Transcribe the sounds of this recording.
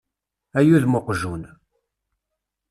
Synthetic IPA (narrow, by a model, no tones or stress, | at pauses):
æjuðmoqʒun